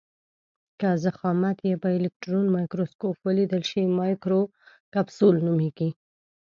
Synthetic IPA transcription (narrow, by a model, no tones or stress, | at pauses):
kazaxɑmat̪jebaɪlɪk̚ʈɾonmɑjkɾoskopwəlid̪əlʃimɑjkɾo | kabsolnumeɡ̥i